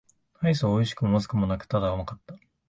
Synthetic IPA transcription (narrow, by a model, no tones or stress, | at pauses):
nais̬ooiɕi̥kɯ̟momazɨ̥kɯ̟mo̞nakɯ̟̥t̪ad̪aɯmakat̪ːa